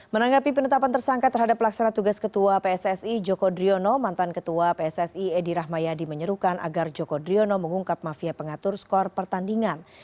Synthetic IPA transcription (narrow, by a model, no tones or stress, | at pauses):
mənaŋɡapipənət̪apant̪ərsaŋkat̪ərɦadapːlaksanat̪uɡaskət̪uapeɛsɛsid͡ʒokodɾionomant̪ankət̪uapeɛsɛsiɛdiɾaɦmajadiməɲəɾukanʔa̰ɡard͡ʒokodɾionoməŋuŋkap̚mafiapəŋat̪ʊrskɔrpərt̪andiŋan